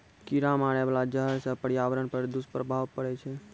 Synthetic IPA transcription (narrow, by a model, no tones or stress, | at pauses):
kiɾamaːɽ̃eʋlad͡ʒəɦəɾsəpəɽjaʋəɾəɳpəɾd̪ʊspɾəbʱaːʋpəɽet͡ʃʰe